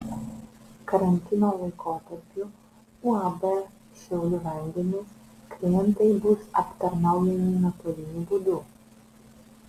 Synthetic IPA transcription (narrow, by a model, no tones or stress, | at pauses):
kɐɾɐnʲt̪ʲɪnoːlˠɐɪkʰoːt̪ɐɾʲpʲʊ | uɑbɛ | ʃʲɛʊlʲʊʋʲɛnʲd̪ʲɛnʲʊs | klʲɪjɛnt̪ɐɪbʊsɐ̰pt̪ɐɾnɐˑʊjɛnʲinɐt̪oːlʲɪnʲuːbuːd̪uː